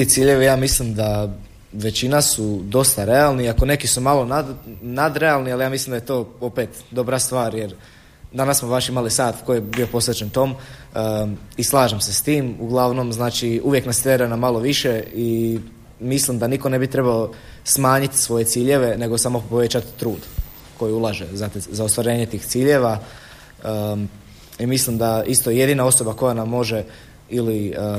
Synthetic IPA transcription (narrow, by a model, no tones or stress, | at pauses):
t̪it̪siːʎe̞ʋijaːmislimd̪a | ʋe̞t͡ɕinasud̪o̞st̪aɾe̞alˠniiako̞ne̞kisumalˠo̞nanad̪ɾe̞alˠnialijaːmislˠimd̪ajet̪o̞ːo̞pet̪d̪o̞bɾast̪ʋaːɾje̞ɾ | d̪anassmoʋaʃimalisaːt̪kojebio̞po̞sʋet͡ɕent̪o̞m | islˠaːʒemsest̪iːmuɡlˠaʋno̞mznaːt͡ʃiuʋje̞knast̪ɾeɾanamalˠo̞ʋiʃe̞i | mislimd̪aniko̞ne̞bit̪ɾe̞bao | smaːɲit̪sʋo̞je̞t̪siːʎe̞ʋe̞ne̞ɡosaːmo̞poʋe̞t͡ɕat̪ːɾuːd̪ | ko̞jiulˠaʒezat̪zaot̪ʋaɾe̞ːɲet̪iːxt̪siːʎe̞ʋa | imislimd̪aist̪ojeje̞d̪iːnao̞so̞bako̞janamːo̞ʒe | ili